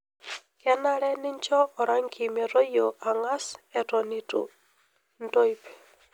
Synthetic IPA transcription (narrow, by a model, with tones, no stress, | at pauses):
kɛ˦na˦ɾɛ˦nɪ˦ɲt͡ʃɔ˦ɔ˨ɾa˦ŋkʰi˨me˨ɾo˦jo˨ʔa˨ŋa˦sɛ˨tɔ˨ni˨tṵ˨ | n˦to˦i˦p